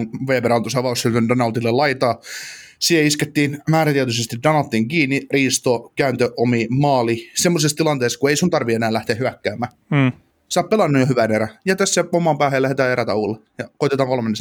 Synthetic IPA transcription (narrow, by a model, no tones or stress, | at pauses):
ʋeːpeɾɑnt̪osɑʋɑussylt̪yndɑnɑut̪ilːelɑit̪ɑːsiːheisket̪ːiːnmæːɾæt̪iæt̪ysest̪idɑnɑt̪ːiŋkiːnːiriːst̪okæːnt̪øʔomimɑːlisemːosest̪ilɑnt̪eːskueisunt̪ɑrʋienæːlæht̪eːhyækːæːmːæː | sɑːppelɑnːujohyʋæneɾæjɑt̪æsːæomɑmpæːhejlæhet̪æːeɾæt̪æ̰ulːejɑkoit̪et̪ɑːŋkolmenːes